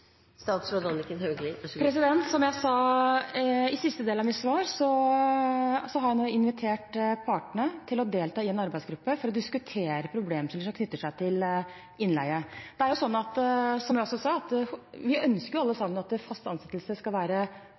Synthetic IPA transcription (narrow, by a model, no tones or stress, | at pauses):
st̪ɑːt̪sɔd̪ɑnkənøːɡ̪pʰɾɛs̬ɪd̪ɛnt̪sɔmjæɪsɑː | ɪsɪst̪əd̪eːlɑmɪt̪sʋɑːɾsɔ | sɔɦɑɾjæɪnoːɪnʋɪt̪ʰeːʈpʰɑːʈəɳət̪ʰɪlɔd̪eːlt̪ʰɑːɪɛnɑɾbæɪsɡɾʉpːəfɔɾɔd̪ɪskʉt̪ʰeːɾəpʰɾʊbleːmsələʂɔmkʰnʏt̪ːəʂæɪt̪ʰɪl | ɪnlæɪəd̪̥ɛæɾjʊsɔnːɑt̪sɔmjæɔsːɔsɑːɑt̪ʋɪœnskəɾjʊɑlːəsɑmːənɑt̪fɑst̪ɑnsɛt̪ːəlsəskɑlʋæːɾə